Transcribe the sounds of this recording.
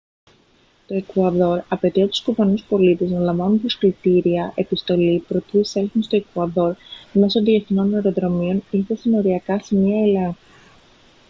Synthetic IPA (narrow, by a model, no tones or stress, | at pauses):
t̪o̞e̞kuɐðo̞ɾɐpe̞t̪iɐt̪u̥skuvɐnuspo̞lit̪e̞znɐlɐɱvɐnunt̪oskɾit̪iɾiɐʔe̞pist̪o̞lipɾo̞t̪iiselθinst̪oe̞kuɐðo̞ɾme̞sonðie̞θno̞nːe̞ɾo̞ðɾo̞mio̞ninθesino̞ɾiɐkɐsemiɐe̞le̞ŋxu